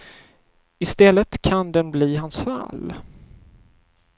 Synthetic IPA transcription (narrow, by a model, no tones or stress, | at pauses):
ɪst̪ɛlːət̪kʰand̪ɛnbliːɦansfa̰l